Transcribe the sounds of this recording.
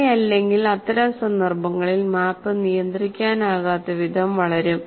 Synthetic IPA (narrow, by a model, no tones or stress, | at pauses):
jɐlːe̞ŋɡilɐt̪ːɐɾɐmsɐnd̪ɐrbɐŋːɐɭilmaːpːɨnijɐnd̪rikʲːaːnaːɣaːt̪ːɐʋid̪ʱɐmʋɐɭɐɾum